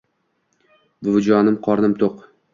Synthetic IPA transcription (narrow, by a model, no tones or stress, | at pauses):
bʊvɪd͡ʒɒnɪmqʰɒɾnɪmt̪ʰoq